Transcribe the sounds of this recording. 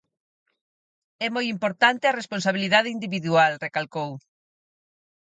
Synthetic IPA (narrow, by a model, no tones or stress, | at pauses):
ɛmojimpoɾt̪ant̪eɐresponsaβ̞iliðað̞eind̪iβiðualrekalkow